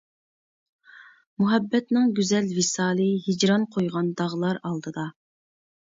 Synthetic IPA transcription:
muɦɛbːɛt̪nɪŋɡʲyzɛlvisɑːlˠɨɦid͡ʒɾɑnqʰojʁɑnd̪ɑʁlˠɑɾɑlˠd̪ɨd̪ɑ

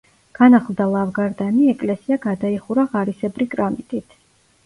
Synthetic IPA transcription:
ɡ̥anaχlˠd̪alˠavɡaɾd̪aniɛkʼlɛsiaɡad̪aiχuɾaʁaɾisɛbɾikʼɾamit̪ʼit̪ʰ

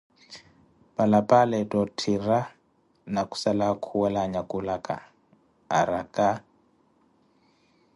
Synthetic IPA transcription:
palapʼalɛtʼɔtʰira | naku̥salakʰuwɛlaɲakʼulakʼa̰ː | ɾakʼa

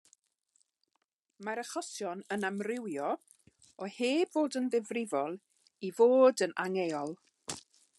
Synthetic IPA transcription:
maɾəχɔsjɔnənamrɪwjɔ | ɔheːbvoːdənðɪvrɪvɔlˠ | ivoːdənaŋeːɔlˠ

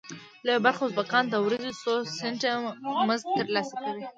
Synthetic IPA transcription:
labaɾxoʊzbakɑnt̪awɾazisoseɳʈaməzɡ̚t̪əɾlɑsakawi

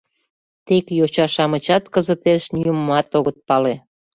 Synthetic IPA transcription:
t̪ekjot͡ɕɑʃɑmət͡ɕɑt̪kəzət̪eʃnyjəmmɑt̪oɣət̪̚pɑle

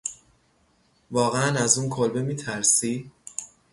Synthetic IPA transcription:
vɒːɣeænæzuːnkʰolbemiːt̪ʰæɾsi

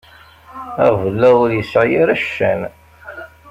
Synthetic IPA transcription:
æʁvəlːæʊɾjəsʕjiɾæʃːæn

